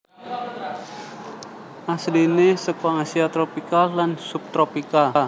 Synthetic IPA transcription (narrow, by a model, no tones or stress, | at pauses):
ʔasdinesəkwaŋasiat̪ɾopikalansup̚t̪ɾopika